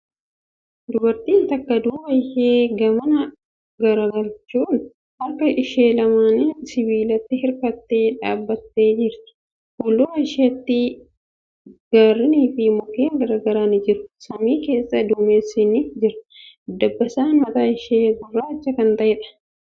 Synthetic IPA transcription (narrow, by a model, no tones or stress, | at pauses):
d̪ʊbɐɾt̪iːnt̪ɐkːɐd̪uːbɐjheːɡɐmɐnɐ | ɡɐɾɐɡɐlt͡ʃːuːn | ɐkːɐʔɪʃe̞ːlɐmaːnɪsɪβiːlɐt̪ːɪɦɪɾkɐt̪ːe̞ːᶑaːbːɐt̪ːe̞ːd͡ʒɪɾt̪ɪ̥ | huːlːuːɐʃɪɐt̪ːɪ | ɡ̥aːrːɪniːfɪmɔkːiːɐɡɐɾɐɡɐɾaːnɪd͡ʒɪɾʊ̥sɐmiːke̞ːsːɐd̪uːmeːsːɪnɪd͡ʒɪɾɐd̪ɐbːɐsaːnmɐt̪aːɪʃeːɡʊrːaːɪt͡ʃːɐkɐnt̪ɐʔɛːᶑɐ̥